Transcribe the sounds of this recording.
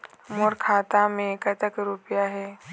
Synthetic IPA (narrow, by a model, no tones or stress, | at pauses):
moɾkʰaːt̪amẽkət̪əkɾupjaɦɛː